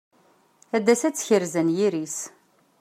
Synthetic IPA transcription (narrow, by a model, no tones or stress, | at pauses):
æd̪ːæsæt͡sːçəɾzænjiɾis